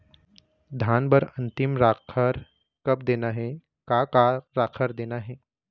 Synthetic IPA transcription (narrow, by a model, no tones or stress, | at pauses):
d̪ʱjaːnbɐɾɐ̃nt̪ɪmɾaːkʰaɾ | kɐp̚d̪eːnaɦɛ | kaːkaɾaːkʰəɾd̪eːnaɦɛː